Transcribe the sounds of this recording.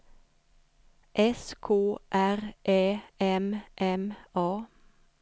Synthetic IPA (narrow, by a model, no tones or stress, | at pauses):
ʔɛskʰoːʔæʁʔeːɛmʔɛmɑː